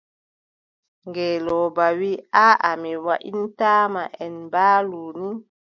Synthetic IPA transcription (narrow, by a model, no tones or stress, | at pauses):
ŋɡɛːlɔbawiaʔamiwaʔintaːmaʔɛnbaːluni